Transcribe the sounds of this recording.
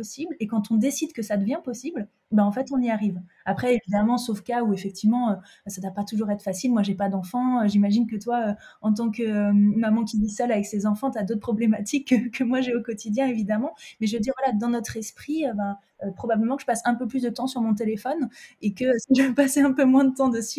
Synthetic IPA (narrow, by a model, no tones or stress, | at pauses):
ɔsiblekɑ̃t̪ɔ̃d̪esid̪kəsad̪əvjɛ̃pɔsibl | bɛ̃ɑ̃fɛt̪ɔ̃niaʁiv | apχɛevid̪amɑ̃sofkauefɛk̚t̪ivmɑ̃ø | sad̪wapat̪uʒuʁɛt̪χəfasilmwaʒepad̪ɑ̃fɑ̃øʒimaʒinkət̪waøɑ̃t̪̬ɑ̃kəømmamɑ̃kʲivisœlavɛksezɑ̃fɑ̃t̪yad̪ot̪χ̚pχɔblemat̪ikːəkʰːəmwaʒeokɔt̪id̪jɛ̃evid̪amɑ̃mɛʒəməd̪iʁvwalad̪ɑ̃nɔt̪χɛspχiøbã | øpχɔbabləmɑ̃kəʒ̥əpasɛ̃pøplys̬d̪ət̪ɑ̃syʁmɔ̃t̪̬elefɔnekəsiʒəpaseɛ̃pømwɛ̃d̪ət̪ɑ̃d̪əsy